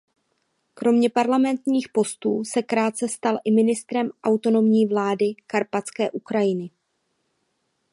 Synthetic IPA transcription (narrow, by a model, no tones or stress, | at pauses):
kɾo̞mɲɛpaɾlamɛnt̪ɲiːxpo̞st̪uːsɛkɾaːt̪̚t͡sɛst̪alʔɪmɪnɪst̪ɾɛmʔawt̪o̞no̞mɲiːvlaːdɪkaɾpat͡skɛːʔukɾajɪnɪ